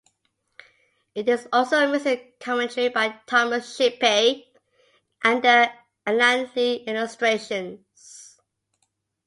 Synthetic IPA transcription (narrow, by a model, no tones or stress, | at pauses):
ɪtɪsɔlsoə̃misɪkʰɔmɛ̃ntʰəɹibaɪtʰaməʃipe | ʔæ̃ndə | əlãntiɪlɪstɹeʃə̃n | s